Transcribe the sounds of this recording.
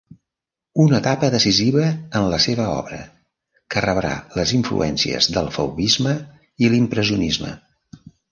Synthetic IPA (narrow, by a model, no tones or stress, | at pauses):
unət̪apəðəsiziβəənləseβ̞əɔ̰βɾə̰ | kərəβɾa̰ləziɱflṵʔɛnsiə̰zðəlˠfə̰wβizmə | ilimpɾəziunizmə̰